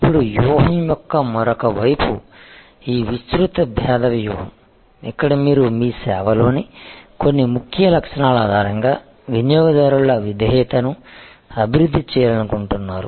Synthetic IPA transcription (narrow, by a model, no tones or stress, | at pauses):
ipːuɽujɔːɦɐmjɔkːɐmɔɾɔkɐʋɐjpu | iːʋist̪ɾut̪ɐbʱjaːd̪ɐʋjɔːɦɐm | ikːɐɽɐmiːɾumiːsɛːʋɐlo̞ːniko̞nːimukʰjɐlɐkʂɐnaːlaːd̪ʱaːɾɐŋɡaː | ʋinjɔːɡɐd̪aːɾuɭɐʋid̪ɐɦɛːt̪ɐnuɐbʱiɾud̪ʱːit͡ʃɛːjɐɾɐnukuɳʈunːaːɾṵ